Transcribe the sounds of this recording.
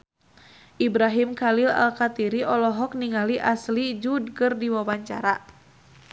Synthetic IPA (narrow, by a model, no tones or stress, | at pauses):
ʔibɾaɦimkalila̰lkat̪iɾiʔɔlɔɦɔk̚niŋaliʔaslid͡ʒud̚kɨrdiwawaɲt͡ʃa̰ɾa